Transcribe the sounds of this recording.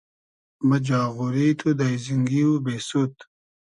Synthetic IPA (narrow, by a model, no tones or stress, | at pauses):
mɐd͡ʑaːɣuɾiːt̪ʰud̪ajziŋɡiːubeːsut̪